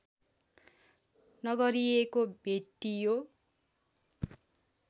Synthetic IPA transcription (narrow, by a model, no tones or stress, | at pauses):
nʌɡʌɾijekobʱeʈːijo